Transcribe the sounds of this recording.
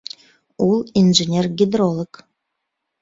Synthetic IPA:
ulˠinʐenʲerɡʲid̪ɾolˠək

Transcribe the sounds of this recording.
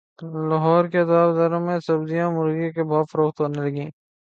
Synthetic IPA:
lɐɦɔːɾket̪aːbd̪ɐɾõmẽsɐbd̪ijãmʊɾɡikebʱɔːt̪fɐɾoːxt̪ɦoːnelɐɡĩː

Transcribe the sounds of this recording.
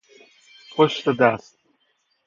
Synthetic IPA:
pʰʊʃðədʌst̚

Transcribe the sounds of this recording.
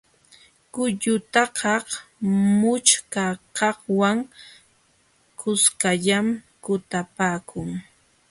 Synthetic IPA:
kʊʎʊt̪ɑkʰɑhmʊt͡ʃkakɑχwaŋ | kʊskaʎamkʊt̪apaːkʰʊŋ

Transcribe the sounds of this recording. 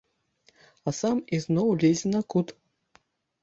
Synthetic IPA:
ɐsamiznɔwlʲezʲnɐkut̪

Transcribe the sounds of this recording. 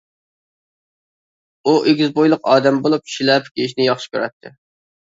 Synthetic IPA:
uʔeɡʲizbojlˠʊqɑːd̪ɛmbolˠup̚ʃilɛpkʲeiʃnɪjɑχʃi̥kʲʰøɾɛ̰t̪ʰːɪ̰

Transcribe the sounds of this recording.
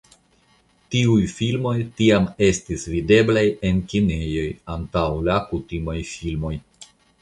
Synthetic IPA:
tiujfilmo̞jtiame̞stisvide̞blaje̞nkinejo̞jantawlakutimajfilmo̞j

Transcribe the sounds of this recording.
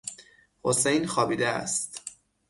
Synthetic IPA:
hosejnxɒːbiːd̪eæ̰st̪

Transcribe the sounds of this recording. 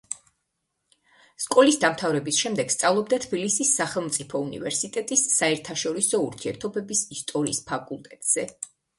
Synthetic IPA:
skʼɔlisd̪amt̪ʰavɾɛbisʃɛmd̪ɛɡ̥st̪sʼavlˠɔb̚d̪at̪ʰbilisisːaχɛlˠmt̪sʼipʰɔunḭvɛɾsit̪ʼɛt̪ʼisːaɛɾt̪ʰaʃɔɾisɔuɾt̪ʰiɛɾt̪ʰɔbɛbisist̪ʼɔɾḭːspʰakʼulˠt̪ʼɛt̪ʼz̥ɛ

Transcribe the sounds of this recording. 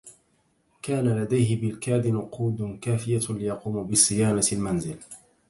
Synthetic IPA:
kaːnalad̪ajɦɪbɪlkaːd̪ɪnʊquːd̪kaːfɪjalɪjɑquːmbɪsˤɨjaːnalmanzɪl

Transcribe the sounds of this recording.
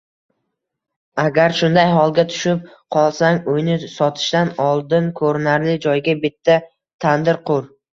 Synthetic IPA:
aɡʲaɾʃʊnd̪ajɦɒlˠɡʲat̪ʰʊ̥ʃɪp̚ | qʰɒlˠsaŋojnɪsɒt̪ʰɪ̥ʃt̪anɒlˠd̪ɪnkʰɵɾɪnaɾlɪd͡ʒɒjɡʲabɪt̪ʰːa | t̪ʰand̪ɪɾqʰʊɾ

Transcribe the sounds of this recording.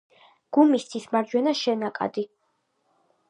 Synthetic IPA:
ɡ̥umist̪sʰismaɾd͡ʒwɛnaʃɛnakʼa̰d̪i

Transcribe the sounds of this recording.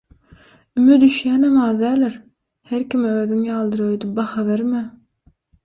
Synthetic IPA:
ymyd̪yʃjæːnæmɑːðd̪æːleɾ | heɾkimøːðyŋjɑːlˠd̪ɯɾød̪yp̚bɑxɑβeɾmæ

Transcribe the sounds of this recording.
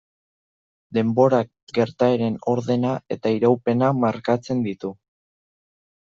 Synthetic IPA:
d̪e̞mbo̞ɾa | ɡe̞ɾt̪aeɾe̞no̞ɾðe̞nae̞t̪aiɾawpe̞namaɾkat͡se̞nd̪it̪u

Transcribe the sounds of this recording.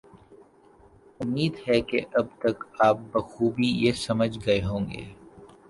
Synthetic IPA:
ʊmːiːd̪ɦɛkeʔɐb̚t̪ɐkaːp̚bɐxuːbijesɐməd͡ʒɡɐeɦõːŋɡḛː

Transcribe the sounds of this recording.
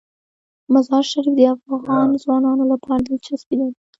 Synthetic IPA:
mazɑɾʃaɾifd̪əafɣɑnzwɑnɑnolapʰɑɾad̪et͡ʃasbid̪aɾi

